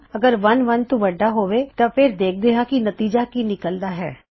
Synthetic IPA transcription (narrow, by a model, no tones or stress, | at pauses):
ɐɡəɾʋɐnʋɐnt̪ũʋɐɖːaɦoːʋet̪ãpʰɪɾd̪eːk̚ʰd̪eːɦãkinɐt̪iːd͡ʒakinɪkəld̪aːɦɛ̰ː